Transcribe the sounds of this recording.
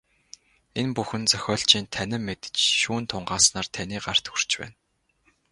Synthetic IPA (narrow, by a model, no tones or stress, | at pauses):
enpuxɘ̆nt͡sœxʲɔːɬt͡ɕiːnt̪ʰænʲɪ̆mːet̪ɘ̥̆t͡ɕʃuːnt̪ʰʊɴɢaːsnaːrt̪ʰæniːɢar̥t̪xur̥t͡ɕpæ̰ːn